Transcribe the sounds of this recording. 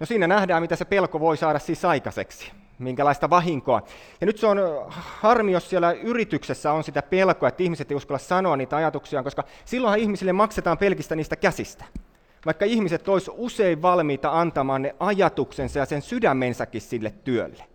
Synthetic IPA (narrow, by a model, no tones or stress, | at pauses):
nosiːnænæhdæːmit̪æsepelkoʋoisɑːɾɑssisɑikɑsḛksi̥ | miŋkælɑist̪ɑʋɑɦiŋkoɑ̰ | jɑnyt̪seonhɑrmiossielæyrit̪yksesːæonsit̪æpelkoɑet̪ːihmiset̪eijuskɑlːɑssɑnoɑnniːt̪æɑjɑt̪uksiɑŋkoskɑ | silːoihɑihmisilːemɑkset̪ɑːmpelkist̪æniːst̪ækæsist̪æ̥ | ʋɑikːɑihmiset̪ːoisuseiʋʋɑlmiːt̪ɑɑnt̪ɑmɑːnneʔɑjɑt̪uksensɑjɑsensydæmːensækːissilːet̪tyø̰lːe̥